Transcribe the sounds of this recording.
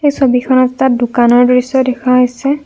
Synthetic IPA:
ejsobikʰɔnɔttat̚dʊkanɔɹdoɹisɔdɛkʰaɦojsɛ

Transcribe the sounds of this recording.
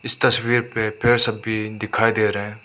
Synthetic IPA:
ɪst̪ɐswiːɾpepʰɪɾsɐbːid̪ɪkʰaːid̪eːɾɐɦɛ̃ː

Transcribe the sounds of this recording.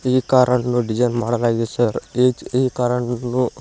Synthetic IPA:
ekaːɾəɳnũɖid͡ʒajnmaːɽəlaːɡesəɾed͡ʒeikaɾəɳnu

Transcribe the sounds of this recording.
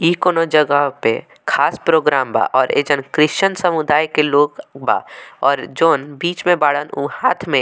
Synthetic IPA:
iːkoːnod͡ʒəɡəɦpḛ | kʰaːspɾoːɡɾaːmba̰ːʔɔːɾḛːd͡ʒənkɾɪʃt͡ʃənsəmʊd̪aːjkeloːɡba̰ːɔːɾd͡ʒoːnbiːt͡ʃmẽbaːɽənuhaːt̪ʰmẽ

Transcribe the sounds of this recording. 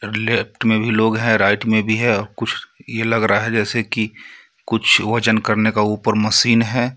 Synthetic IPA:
ɾɪlep̚ʈmẽbʱiloːɡɦɛ̃ɾaːɪʈmẽbʱiɦɛ̃ɔːɾkʊt͡ʃʰjelɐɡɾaaɦɛd͡ʒɛːseki | kʊt͡ʃʰʋɐt͡ʃənkɐɾnekauːpəɾmɐsiːnɦɛ̃ː

